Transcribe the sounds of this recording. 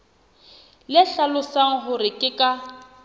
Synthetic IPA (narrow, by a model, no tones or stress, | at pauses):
lɪɬalʊsaŋ̩ɦʊrɪkʼɪkʼa